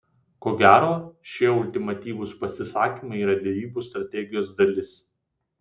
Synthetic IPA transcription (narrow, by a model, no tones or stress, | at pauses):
koːɡʲæːɾoːʃʲiɛʊlʲt̪ʲɪmɐt̪ʲiːʋʊspɐsʲɪsɑːkʲiːmɐɪiːɾɐd̪ʲɛʋʲiːbust̪ɾɐt̪ʲɛɡʲɪjoːsd̪ɐlʲɪs